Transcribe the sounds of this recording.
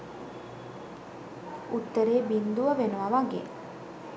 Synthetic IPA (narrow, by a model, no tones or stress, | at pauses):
ut̪ːəɾeːbind̪uʋɐʋenuʋɐʋaɡḛ